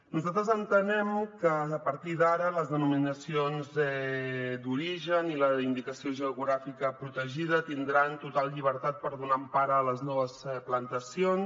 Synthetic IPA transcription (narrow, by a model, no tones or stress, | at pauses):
nuzalˠt̪ɾəzənt̪ənɛmkəːpəɾt̪iðaɾələzðənuminəsionzɛd̪uɾiʒəniləind̪ikəsioʒəuɣɾafikəpɾut̪əʒið̞ət̪ind̪ɾant̪ut̪alˠʎiβ̞əɾt̪at̪̚pəɾðunampaɾəːləznɔβəsplənt̪əsions